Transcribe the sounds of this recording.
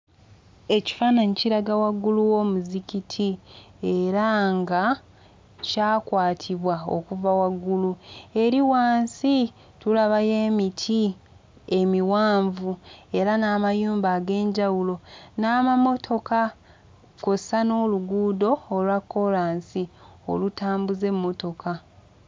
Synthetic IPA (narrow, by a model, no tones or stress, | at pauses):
e̞ci̥faːnaɲiciɾaɡawaɡuluwo̞muzicitʰi | e̞ɾaŋɡa | caːkwaːtʰiβwao̰kuvawaɡulue̞ɾiwaːnsi | tulaβaje̞ːmitʰi | e̞miwaːɱvue̞ɾanaːmajuːmbaːɡe̞ːɲɟawulo̞naːmamo̞tʰo̞ka | kosano̞luɡuːdo̞ːlwakːo̞laːnsio̰lutaːmbuze̞mːo̞to̞kʰa